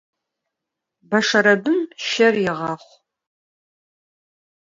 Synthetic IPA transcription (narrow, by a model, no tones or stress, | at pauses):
bɐʂɐɾɐbɨmʃɐrjɪʁɑːχʷ